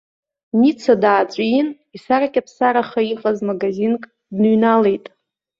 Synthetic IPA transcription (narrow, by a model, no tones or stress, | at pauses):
nit͡sʰadaːt͡ʃʷʼin | isaɾakʲʼapʰsaɾaχaiqʼazmaɡazinkʼ | dnɥnale̞jtʼ